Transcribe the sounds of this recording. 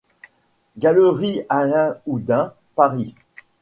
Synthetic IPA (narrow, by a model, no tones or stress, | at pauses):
ɡaləʁialɛ̃ud̪ɛ̃ | paʁi